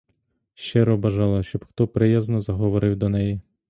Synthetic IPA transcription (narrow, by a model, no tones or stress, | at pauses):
ʃt͡ʃɪɾɔbɐʒɑlˠɐʃt͡ʃɔbxt̪ɔpɾɪjaznɔzɐɦɔʋɔɾɪwd̪ɔnɛji